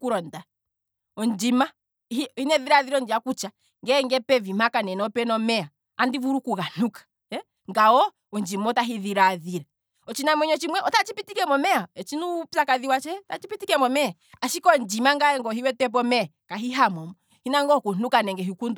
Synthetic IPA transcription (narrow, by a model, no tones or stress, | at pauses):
kuɾɔnda | ɔnd͡ʒima | ihinɛðiɾaðiɾɛɔnd͡ʒiakut͡ʃa | ŋɡɛŋɡɛpɛvimakanɛnɔpɛnɔmɛa | andivuɾukuɣan̥ukḁ | ɛ | ŋɡaɔ | ɔnd͡ʒimɔtaɦiðiɾaðiɾɛ | ɔt͡ʃinamwɛɲɔt͡ʃimwɛʔɔtat͡ʃipitikɛmɔmɛaɛt͡ʃinupsakaðiwat͡ʃɛtat͡ʃipitikɛmɔmɛ | aʃikɔnd͡ʒimaŋɡaɛŋɡɔɦiwɛtɛp̬ɔmɛ | kaɦiɦamɔmɔ | hinaŋɡɔkun̥ukanɛŋɡɛɦikundu